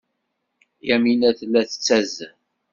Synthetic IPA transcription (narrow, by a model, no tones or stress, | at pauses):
jæminæθlːæθə̥t͡sːæz